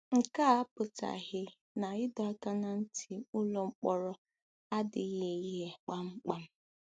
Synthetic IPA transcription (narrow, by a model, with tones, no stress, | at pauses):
ŋ̩˨ka˦a˦pʊ˨ta̰˨ɦɪ˦ | na˨ɪ˦dɔ˨a˦ka˦na˨n̩˦tʰi˨ʊ˦lo˨ŋ͡m̩˦k͡pɔ˨ɾɔ˦ | a˦dɪ˨˦ɣe˨i˦ɦe˨k͡pa˨ŋ͡m̩˦k͡pa˦m̩˦